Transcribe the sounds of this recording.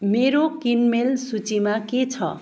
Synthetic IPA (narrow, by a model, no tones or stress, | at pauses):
meɾokinmelsut͡simaket͡sʰʌ̰